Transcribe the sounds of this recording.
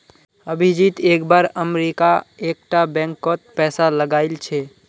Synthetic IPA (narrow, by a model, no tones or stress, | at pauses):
əbʱid͡ʒit̪eːkbaːɾəmɾikaek̚ʈabɛ̃ŋkːɔt̪̚pɛːsaləɡaɪlt͡ʃʰe